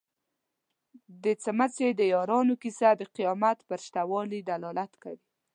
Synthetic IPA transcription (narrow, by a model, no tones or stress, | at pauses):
d̪ət͡səmat͡sed̪əjɑɾɑnokisad̪əqijɑmat̪pəɾʃt̪awɑlid̪alɑlat̪ka̰wi